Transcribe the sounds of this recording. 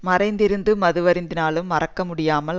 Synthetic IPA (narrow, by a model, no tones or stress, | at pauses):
mɐrɐɪnd̪ɪɾɯnd̪ɯmɐðɯʋɐɾɪnd̪ɪnaːɭɯmːɐrɐkːɐmʊɽɪjaːmɐl